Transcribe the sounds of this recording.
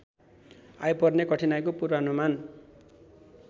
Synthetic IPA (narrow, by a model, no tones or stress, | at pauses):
a̰jpʌrnekʌʈʰinajkopurbaɦʌnuman